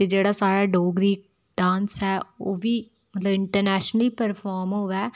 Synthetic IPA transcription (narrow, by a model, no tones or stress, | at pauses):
t̪eːd͡ʒeːɽaːsaːɾaːɖoːɡɾiː | ɖãːnsɛːoːʋiː | mət̪ləbɪɳʈəɾnɛːʃnəlipəɾpʰɔːɾmɦoːʋaː